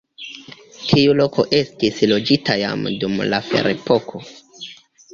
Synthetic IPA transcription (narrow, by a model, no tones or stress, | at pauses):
tʰiulo̞kʰo̞̰ʔe̞stislo̞d͡ʒitʰaja̰mdumlafe̞̰ɾepo̞kʰo̞